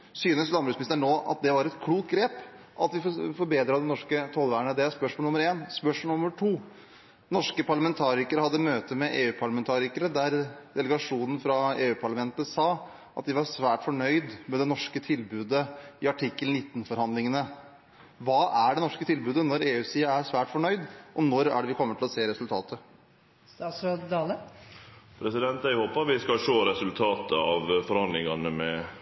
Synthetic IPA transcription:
syːnəslɑnbɾʉːsmnɪst̪əɳoːʔɑ̰t̪̚d̪ɛʋɑɾɛt̪kʰluːkt̪̚ɡɾeːp | ʔɑt̪ʋɪffɔɾbeːd̪ɾɑd̪ɛnɔʂkət̪ʰɔlʋæːəɳəd̪ɛæspœʂmɔlnʊmːəɾeːnspœʂnʊməʈʰuː | nɔʂkəpʰɑɭɑmɛnt̪ʰɑːɾɪkəɾəhɑd̪ːəmøːt̪əmɛʔeːʉːpʰɑɭɑmɛnt̪ʰɑːɾɪkəɾəd̪æɾd̪ɛləɡɑʂuːnən̩fɾɑeːʉːpʰɑɭɑmɛnt̪əsɑː | ʔɑt̪̚d̪ɪʋɑɾsʋæːʈfɔɳœʏd̪mɛd̪ɛnɔʂkət̪ʰɪlbʉːd̪əɪɑʈʰɪkːəlnɪt̪ːn̩fɔɾhɑnd̪lɪŋənə | ʋɑːʔæɖɛnɔʂkət̪ʰɪlbʉːd̪ənɔɾeːʉːsiːəæɾsʋæːʈfɔɳœʏd̪ʔɔnɔɾæ̰ɖɛʋɪkʰɔmːət̪ʰɪlɔseːɾɛsʉlt̪ʰɑːt̪ə | st̪ɑːt̪sɾoːd̪d̪ɑːlə | pʰɾɛsɪd̪ɛnt̪æɪhoːpɑɾʋɪskɑʃoːɾɛsʉlt̪ʰɑːt̪əɑʋfɔɾhɑnd̪lɪŋɑnəmɛ

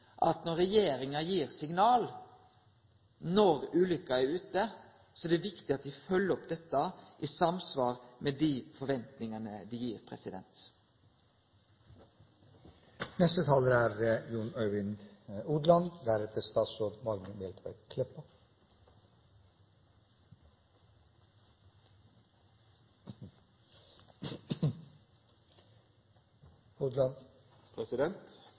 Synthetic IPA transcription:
ʔɑ̰t̪nɔɾɛjeːɾɪŋɑjiːɾsɪŋnɑːl | nɔɾʉːlʏkːɑæɾʉːt̪ə | sɔɛd̪ɛːʋɪkt̪ɪɑt̪d̪ɪfœlːəɾɔpd̪ɛt̪ːɑʔiːsɑmsʋɑːɾmed̪iːfɔɾʋɛnt̪nɪŋɑnəd̪iːjiːɾpʰɾɛ̰sɪd̪ɛ̰nt̪ | nɛst̪ət̪ʰɑːləɾæːɾəjuːɳœʏʋɪnuːd̪lɑnd̪æɾɛt̪ʰəst̪ɑːt̪sɔd̪mɑɡnəmɛːlt̪ʰʋæ̰ɾɡkʰlɛpə | uːd̪lɑnpʰɾɛsɪd̪ɛnt̪

